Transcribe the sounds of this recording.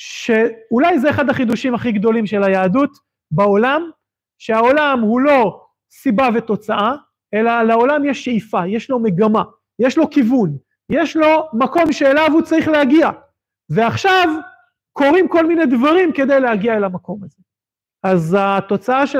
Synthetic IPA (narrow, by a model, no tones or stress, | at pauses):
ʃe̞ulajzeeχad̪haχid̪uʃimhaχiɡd̪o̞limʃe̞lajaːdut̪ | bao̞lam | ʃeao̞lamhulo̞ | sibavet̪o̞t͡saa | e̞lalao̞lamjeʃːeifajeʃlo̞me̞ɡama | jeʃlo̞kivun | jeʃlo̞mako̞mʃeːlavut͡saʁiχlehaɡia | veaχʃav | ko̞ʁimko̞lmined̪vaʁimke̞d̪e̞jlehaɡiaelamako̞maze | azat̪o̞t͡saaʃe